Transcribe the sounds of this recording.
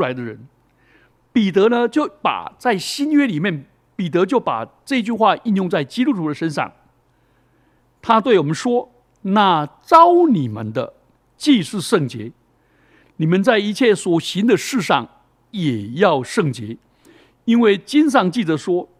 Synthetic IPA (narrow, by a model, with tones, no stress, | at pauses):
a˧˥ɪd̪ə˧ɻə̰˧˥n | pi˨˩t̪ɤ˧˥nə˧t͡ɕjo˥˩ʊpa̰˨˩t͡sa˥˩ɪɕi˥nɥɛ˥li˨˩mjɛ˥˩n | pi˨˩t̪əɤ˧˥t͡ɕjo˥˩ʊpa̰˨˩ʈ͡ʂɤ˥˧i˧t͡ɕy˥˧xwa˥˧ʔi˥˧njʊ˥˧ŋt͡sa˥˩ɪt͡ɕi˥t̪u˥t̪ʰu˧˥d̪ə˧ʂə˥nʂɑ̰˥˩ŋ | t̪ʰa˥t̪we˥˩ɪwɔ˨˩mə˦nʂwɔ˥ | na˥˩ʈ͡ʂɑ˥ʊni˨˩mə̰˨˦nd̪ə̰˧ | t͡ɕi˥˧ʂɻ̩˥˧ʂɤ˥˩ŋt͡ɕjɛ̰˧˥ | ni˨˩mə˧˦nt͡sa˥˩ɪi˧˥t͡ɕʰjɛ˥˩swɔ˨˩ɕi˧˥nd̪ə˧ʂɻ̩˥˧ʂɑ̰˥˩ŋ | jɛ˨˩jɑ˥˧ʊʂɤ˥˩ŋt͡ɕjɛ˧˥ | i˥nwe˥˩ɪt͡ɕi˥nʂ̬ɑ˥˧ŋt͡ɕi˥˩t͡sə˧˥ʂwɔ˥